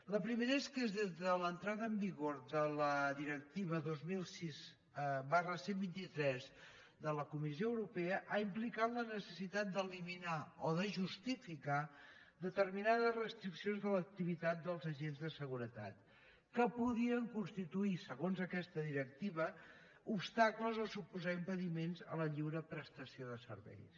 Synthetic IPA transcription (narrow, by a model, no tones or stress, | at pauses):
ləpɾimeɾəeskəezðezðələnt̪ɾaðəːmbiɣoɾðələðiɾək̚t̪iβəðozmilˠsiz | barəsembint̪it̪ɾɛz | ðələkumis̬ioəwɾupeəʔaimplikat̪lənəsəsit̪at̪̚d̪əliminaoðəʒust̪ifika | d̪ət̪əɾminaðəzrəst̪ɾiksionzðələk̚t̪iβit̪at̪̚d̪əlˠzəʒenzðəsəɣ̞uɾət̪a̰t̪ | kəpuðiəŋkunst̪it̪uisəɣonzəkɛst̪əðiɾək̚t̪iβə | upst̪akləzosupuzaimpəðimenzə̰ləʎiwɾəpɾəst̪əsioðəsə̰ɾβɛ̰js